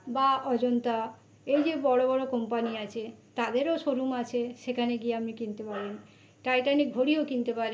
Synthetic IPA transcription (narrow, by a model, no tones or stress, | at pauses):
baɔd͡ʑont̪a | ejd͡ʑebɔɽobɔɽokɔmpaniat͡ɕʰet̪ad̪eɾoʃoɾumat͡ɕʰeʃekʰaneɡieapnikint̪epaɾen | ʈajʈanik̚bʱoɽiokint̪epaɾe